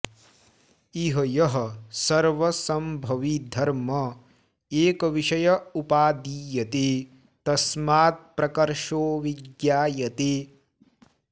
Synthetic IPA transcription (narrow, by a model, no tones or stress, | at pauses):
iɦɐjɐɦɐ̆sɐɾʋɐsɐmbʱɐʋid̪ʱɐɾmɐ | eːkɐʋiʃɐjɐupaːd̪iːjɐt̪eː | t̪ɐsmaːt̪̚pɾɐkɐɾʃoːʋiɡjaːjɐt̪eː